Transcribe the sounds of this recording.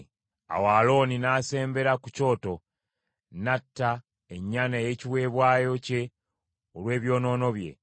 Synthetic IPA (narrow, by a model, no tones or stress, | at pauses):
a̰waːlo̞ːninaːse̞ːmbe̞ɾakuco̞ːto̞ | natːa | e̞ɲːanaje̞ciwe̞ːβwaːjo̞ce̞ | olwe̞ːβjo̞ːno̞ːno̞βje̞̰